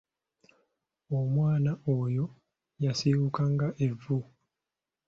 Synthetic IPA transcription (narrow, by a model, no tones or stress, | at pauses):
omwaːnaojo̞ | jasiwukaŋɡaʔe̞vːu